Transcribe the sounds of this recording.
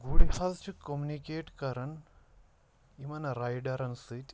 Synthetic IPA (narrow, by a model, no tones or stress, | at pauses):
ɡuɽihɐzt͡ʃukomunikeːʈkɐɾɐɳ | imɐnɐɾajɖɐɾɐnsɨtʲ